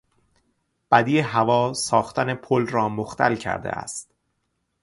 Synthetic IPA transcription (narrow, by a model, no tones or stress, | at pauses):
b̥æd̪iːeɦævɒːsɒːxt̪ænepʰolɾɒːmoxt̪ʰæ̰lcʰæ̰ɾd̪ḛʔæ̰st̪